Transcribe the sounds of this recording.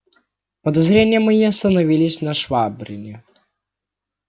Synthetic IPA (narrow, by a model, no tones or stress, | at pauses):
pəd̪ɐzɾʲenʲɪjəmɐjiɐst̪ənɐvʲilʲɪsʲnɐʂvabɾʲɪ̰nʲɪ